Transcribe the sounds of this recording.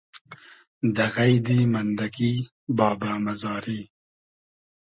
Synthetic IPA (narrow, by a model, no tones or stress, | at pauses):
d̪aɣajd̪imand̪aki | bɑːbaːmazɑːɾi